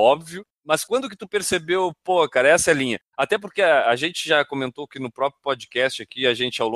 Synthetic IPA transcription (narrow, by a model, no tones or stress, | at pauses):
ɔbviʊ | mɐskwɐ̃d̪ʊkɪt̪upeɾsebewpohɐkaɾɐɛsɐɛlĩɲɐ | at̪ɛpoɾkeaʒẽnt͡ʃɪʒakomẽnt̪oakinʊpɾɔpɾjʊpod͡ʒikɛst͡ʃɪakiaʒẽnt͡ʃɪawlõ